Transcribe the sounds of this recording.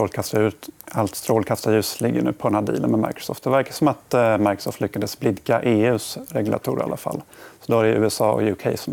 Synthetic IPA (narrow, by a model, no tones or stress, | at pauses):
fɔlkʰast̪aɾʉ̟ːt̪alt̪st̪ɾoːlkʰast̪ajʉ̟ːslɪɡːənʉ̟ːpʰɔdɛnhæːd̪ḭːlə̰nmɛma̰ɪkɾɔ̥sɔ̰ːft̪̚d̪ɛvæɾkasɔmat̪majkɾɔ̥sɔ̰ːft̪lʏkːad̪əsblɪd̪kaʔeːʉ̟ːsɾɛɡlʔa̰t̪ʰṵːɾa̰lːa̰fa̰lːsɔd̪ɔaɾɛʔʉ̟ːɛsɑːɔ̰jʊkʰɛɪsɔm